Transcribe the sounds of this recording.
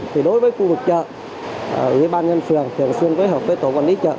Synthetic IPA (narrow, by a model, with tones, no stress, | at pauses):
t̪ʰi˨˩ɗo˨˦jvəː˨˦jxu˧vɨ˨˩k̚t͡ɕə̰ː˧˨˩ | ʔwḭ˧˥ɓaː˧nɲə˧nfɨ˨˩əŋt̪ʰɨ˨˩əŋswi˧ənvəː˨˦jɦəː˨˩p̚vəː˨˦jt̪o˧˩kwa˧nli˨˦t͡ɕə̰ː˧˨